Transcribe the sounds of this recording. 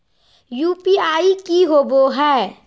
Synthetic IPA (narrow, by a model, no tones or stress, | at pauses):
jupiaːikiɦoːboɦɛː